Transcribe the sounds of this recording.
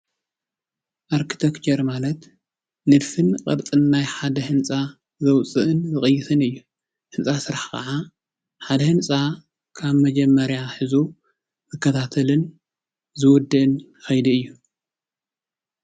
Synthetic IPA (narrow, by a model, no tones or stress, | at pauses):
ʔaɾkʰi̥t̪ʰekt͡ʃʰɐɾmalɐt̪ | nɨd̪fɨnkʼɐ̰ɾt͡sʼɨnːajħad̪ɐhɨnt͡sʼa | zɐwt͡sʼɨʔɨnzɨxʼɨjːɪt̪ʰɨnɨjːu | hɨnt͡sʼasɨɾaħkʰɐ̰ʕa | ħad̪ɐhɨnt͡sʼa | kʰaβmɐd͡ʒɐmːɐɾjaħɨzu | mɐkʰːɐt̪ʰat̪ʰɐlɨn | zɨwɔd̪ːɨʔɨn | xɐjd̪iɨjːu